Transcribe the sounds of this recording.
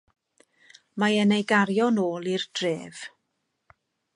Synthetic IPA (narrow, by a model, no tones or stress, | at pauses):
maɛnejɡaɾjɔnoːlˠird̥reːv̥